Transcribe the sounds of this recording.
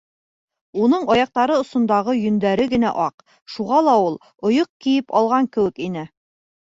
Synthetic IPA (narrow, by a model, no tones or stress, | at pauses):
unɤɴɑjɑq̚t̪ɑɾɤŏsŏnd̪ɑʁɤjɵ̆nd̪æɾɘɡɘ̆næ̰ʔɑq | ʃuʁɑlˠɑulˠ | ŏjoq̚kijɘpɑlˠʁɑŋkɘ̆wɘ̆kinɘ